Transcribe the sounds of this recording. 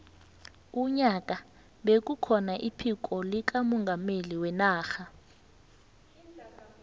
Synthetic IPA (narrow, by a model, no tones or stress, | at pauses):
uɲakʼa | ɓek̬ʼukʰɔnaʔipʰik̬ʼɔlik̬ʼamɔŋɡʱameliwɛnaːxa